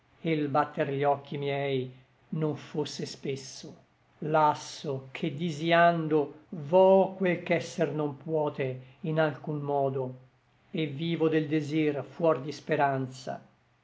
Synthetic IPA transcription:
elbat̪ːerʎɔkʰːimjɛj | noɱfosːespesːo | lasːokʰed̪ːiziand̪ovɔkːwelkɛsːernompwɔːt̪einalkunmɔːd̪o | evːiːvod̪eld̪ezirfwɔrd̪ispeɾant̪sa̰

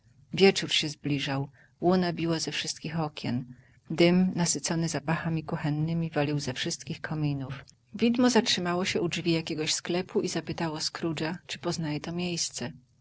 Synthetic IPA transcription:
vʲjɛt͡ʂuɾɕɛzblʲiʐaw | wunabʲiwazɛfʂɘst̪̚kʲixɔkʲjɛ̰n | d̪ɘmnasɘt̪sɔnɘzapaxamʲikuxɛnːɘmʲivalʲiwzɛfʂɘst̪kʲixkʰɔmʲinuf | vʲid̪mɔzatʂɘmawɔɕɛudvʲijakʲɛɡɔɕsklɛpuʔizapɘt̪awɔskɾud͡ʐat͡ʂɘ̥pɔznajɛt̪ɔmʲjejst̪sɛ

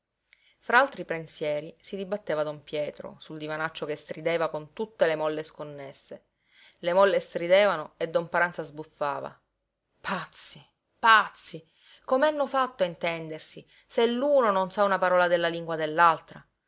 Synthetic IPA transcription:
fɾaalt̪ɾipɾensjɛːɾisid̪ibat̪ːeːvad̪ompjɛːt̪ɾo̰suld̪ivanat͡ʃːokest̪ɾid̪eːvakont̪ut̪ːelemɔlːeskonːesːe | lemɔlːest̪ɾid̪ɛːvanoed̪ːompaɾant̪sazbufːaːva̰ | pʰat̪sːi | pat̪sːi | komeanːofat̪ːoint̪ɛnd̪ersi | selːuːnononsaunapaɾɔːlad̪elːaliŋɡwad̪elːalt̪ɾa

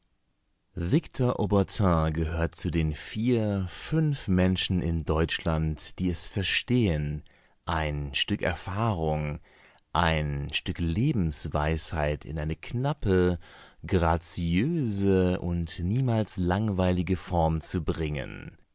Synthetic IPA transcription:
vɪktʰɔɐʔobɛɐtʰɛ̃ɡəɦøːɐt̚t͡sudeːnfiːɐfʏnfmɛnʃn̩ɪ̰ndɔʏt͡ʃlantd̥iːɛsfɛɐʃteːən | ʔaɪnʃtʏkɛ̰ɐfaːʁʊŋ | ʔaɪnʃtʏkleːbm̩sv̥a̰ɪshaɪtʰɪ̰nʔaɪnəkʰnapəɡʁat͡siøːzəʊntniːmaːlslaŋvaɪlɪɡəfɔɐmt͡subʁɪŋə̰n

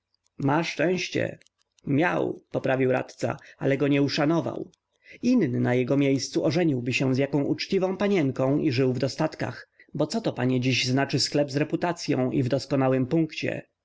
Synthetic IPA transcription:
maʂt͡ʂɛ̃w̃ɕt͡ɕɛ̰ | mʲja̰wpɔpɾavʲiwɾa̰t̪t̪sa̰a̰lɛɡɔɲɛuʂanɔva̰w | innɘnajɛɡɔmʲjejst̪suʔɔʐɛɲiwbɘɕɛ̃zjakɔ̃w̃ʔut͡ʂt͡ɕivɔ̃w̃paɲɛŋkɔ̃w̃iʐɘwvd̪ɔst̪at̪ka̰xbɔt̪sɔt̪ɔpaɲɛd͡ʑiʑznat͡ʂɘsklɛbzɾɛput̪at̪sʲjɔ̰̃w̃ʔivd̪ɔskɔnawɘmpuŋkt͡ɕɛ̰

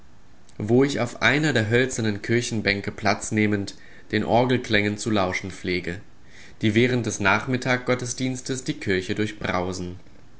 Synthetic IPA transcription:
voːɪçaʊfʔaɪnɐdeːɐɦœlt͡sɐnənkʰɪɐçn̩bɛŋkəpʰl̥at͡sneːmənt | d̥eːnʔɔɐɡl̩kl̥ɛŋənt͡sulaʊʃn̩p͡fleːɡə | d̥iːvɛːʁ̞ənt̚d̥ɛsnaːχmɪtʰaːk̚ɡ̥ɔtəsd̥iːnstəsd̥iːkʰɪɐçədʊɐçb̥ʁa̰ʊzn̩

